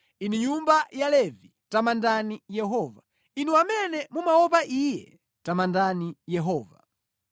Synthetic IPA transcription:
iniɲumbajalɛvi | tamandanijɛɦɔːva | inuamɛnɛmumaɔpaʔiːjɛ̰ | tamandanijɛɦɔːva̰

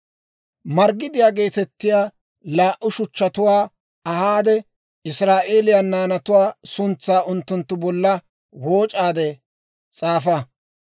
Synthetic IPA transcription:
mɐɾɡɪd̪ɪjaːɡe̞ːt̪ɛt̪ːɪjaː | laːʔʊʃʊt͡ʃːɐt̪ʊwaː | ɐhaːd̪ɛ | ɪsɾaːʔe̞ːlɪjɐnːaːnɐt̪ʊwaːsʊnt͡sːaːʔʊnt̪ːʊnt̪ːʊbɔlːɐ | wo̞ːt͡ʃʼaːd̪ɛ | t͡sʼaːfɐ

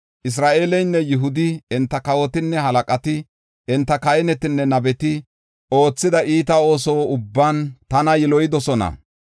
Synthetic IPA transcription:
ʔɪs̬ɾaːʔeːlɛjnːɛjʊɦʊd̪ɪɪnt̪ːɐkɐwɔt̪ɪnːɛɦɐlɐkʼɐt̪ɪ | ɪnt̪ːɐkɐjɛnɛt̪ɪnːɛnɐbɛt̪ɪ | ʔo̞ːt͡sːɪd̪ɐʔiːt̪ɐo̞ːsoːʊbːɐnt̪ɐnɐjɪlɔjɪd̪ɔsɔnɐ̰

